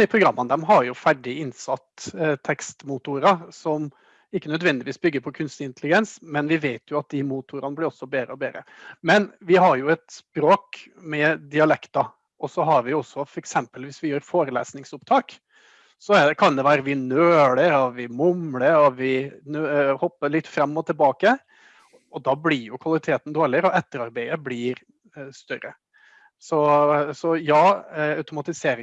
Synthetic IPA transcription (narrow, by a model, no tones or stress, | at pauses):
ɪpʰɾʊɡɾɑmːɑnd̪ɛmɦɑɾjʊfæɖɪɪnsɑt̪ːt̪ʰɛkst̪mut̪ʊɾɑsɔm | ɪkːənœd̪ʋɛnd̪ɪʋiːsbʏɡːəɾpʰɔkʰʉnst̪ɪɪnt̪əlɪɡɛnsmɛnʋɪʋeɪt̪ʰjʊɑt̪̚d̪ɪmuːt̪ʰʊːɾɑnəblɪɾɔsːɔbeːɾəɔbeːɾə̰ | mɛnʋɪɦɑɾjʊɛt̪spɾoːk | mɛd̪ɪɑlɛkt̪ɑ | ʔɔsɔɦɑɾʋɪɔsːɔfɔɾɛksɛmpəlʋɪsʋɪjøːɾfoːɾəlḛːsnɪŋsʊpt̪ʰɑːk | sɔɛɖɛkʰɑnd̪ɛʋæːɾəʋɪnøːɽəɾɔʋɪmʊmləɾɔʋɪnøhɔpːəɭɪt̪ːfɾɑmːɔt̪ʰɪlbɑːkə | ɔd̪ɑblɪɾjʊkʰʋɑlɪt̪ʰeːt̪n̩d̪oːɾɭɪəɾɔɛt̪ːəɾɑɾbæɪəblɪɾ | st̪œɾə | sɔsɔjɑːɑʉt̪ʊmɑt̪ɪseːɾɪ